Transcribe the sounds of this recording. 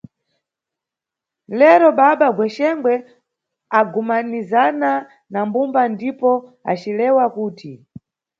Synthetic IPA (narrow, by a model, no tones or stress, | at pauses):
lɛɾɔɓaɓaɡwɛʃɛŋɡwɛ | aɡumanizana | nambumbandipɔa̰t͡ʃilɛwakuːti